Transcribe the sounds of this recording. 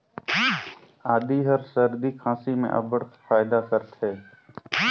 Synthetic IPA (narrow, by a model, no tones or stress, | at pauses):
aːd̪iːɦəɾsəɾd̪iːkʰãːsiːmḛ̃ːʔə̰bəɽt̪faːɪd̪aːkəɾt̪ʰɦɛː